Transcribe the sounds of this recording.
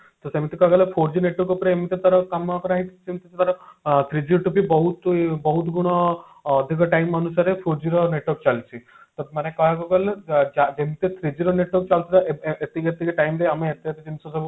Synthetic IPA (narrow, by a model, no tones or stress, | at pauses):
t̪ɔsemit̪ikɔɡɔlepʰoɾd͡ʒineʈɔɾkupɔɾeemit̪et̪aɾɔkamakɔɾaɦit̪ʰit͡ʃʰemit̪et̪t̪aɾɔt̪ʰɾid͡ʒiɾɔʈupibɔɦut̪bɔɦut̪ɡuɽ̃ɔː | d̪ʱikɔʈajmɔnusaɾepʰoɾd͡ʒiɾɔneʈwɔɾkt͡ʃalt͡ʃʰi | t̪ɔmanekɔɦekɔɡɔld͡ʒad͡ʒemit̪et̪ʰɾid͡ʒiɾɔneʈwɔɾk̚t͡ʃalt̪ʰit̪aet̪iɡet̪ikeʈaimɾeameːt̪iat̪id͡ʒinsɔsɔbu